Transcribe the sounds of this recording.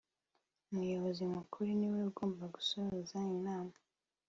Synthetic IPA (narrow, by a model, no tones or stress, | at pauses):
umujoβozimukʰuɾuniweuɡoːmbaɡu̥sohozainaːma